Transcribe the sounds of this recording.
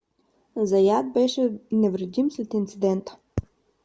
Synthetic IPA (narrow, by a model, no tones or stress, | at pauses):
zɐjad̪̚bɛʃɛnɛvɾɛd̪imslɛt̪int̪sid̪ɛnt̪ə̥